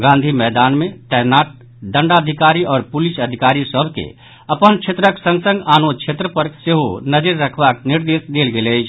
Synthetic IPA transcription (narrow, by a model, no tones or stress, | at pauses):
ɡãːnd̪ʱimɛːd̪aːnmẽt̪ɛnaːʈ̚ | ɖə̃ɳɖad̪ʱikaːɾiɔːɾpʊliʃəd̪ʱikaːɾisəbʱkḛ | ɐpənt͡ʃʰet̪ɾəksə̃ŋɡsə̃ŋɡaːnot͡ʃʰet̪ɾəpəɾseɦonəd͡ʒəɾːəkʰbak̚niɾd̪eːsd̪eːlɡelet͡ʃʰ